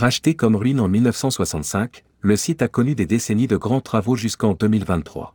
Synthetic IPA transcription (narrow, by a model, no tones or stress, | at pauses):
ʁaʃt̪ekɔmʁinɑ̃milnəfsɑ̃swasɑ̃t̪sɛ̃k | ləsit̪akɔnyd̪ed̪esɛnid̪əɡʁɑ̃t̪χavoʒyskɑ̃d̪əmilvɛ̃t̪ːχwa̰